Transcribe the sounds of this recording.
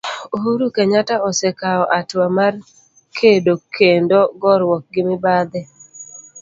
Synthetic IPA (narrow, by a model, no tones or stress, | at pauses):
oɦuɾukeɲataɔsɛkaɔʔatwamar | kʰedokʰendoɡɔɾwɔk̚ɡɪmɪbad̪ɛ